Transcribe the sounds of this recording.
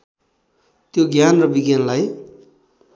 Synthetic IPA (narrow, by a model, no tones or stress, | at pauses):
t̪joɡjanrʌbiɡjanlaj